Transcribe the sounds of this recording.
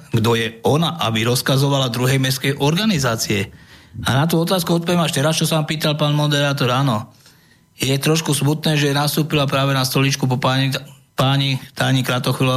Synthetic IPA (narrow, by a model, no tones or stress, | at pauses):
ɡd̪ɔjɛɔnaʔabiɾɔskazɔʋalad̪ɾuɦɛjmɛskɛjʔɔɾɡanizaːt͡siɛanat̪̬uːɔt̪aːskuɔt̪̚pɔʋjɛmaʃt̪ɛɾast͡ʃɔsaʋaːmpiːt̪alpaːnmɔd̪ɛɾaːt̪ɔɾaːnɔ | jɛt̪ɾɔʃkusmut̪nɛːʒɛnast̪uːpilapɾaːʋɛnast̪ɔlit͡ʃkupa | paːɲit̪aːɲikɾat̪ɔxʋil